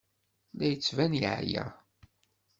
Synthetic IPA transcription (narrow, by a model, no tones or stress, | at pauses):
læjət͡sːvænjʕjæ̰